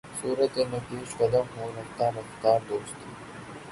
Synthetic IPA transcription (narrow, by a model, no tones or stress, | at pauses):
suːɾət̪enɐt̪iːʃqɐd̪əmɦuːɾɐft̪ãɾɐft̪aːɾd̪oːst̪iː